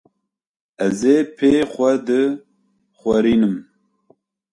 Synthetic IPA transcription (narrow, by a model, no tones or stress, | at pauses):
ɛzeːpʰeːxʷɐd̪ɨ | χʷɛɾiːnɨm